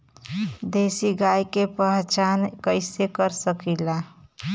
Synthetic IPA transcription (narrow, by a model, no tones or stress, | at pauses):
d̪esiɡajkepəɦt͡ʃankəɪsekəɾsəkila